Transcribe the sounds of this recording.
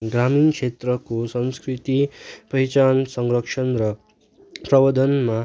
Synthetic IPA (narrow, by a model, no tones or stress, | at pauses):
ɡraminkʰet̪rʌkosʌnskrit̪ipʌjt͡ʃansʌŋrʌkʂʰʌnrʌ | prʌbʌd̪ʌnma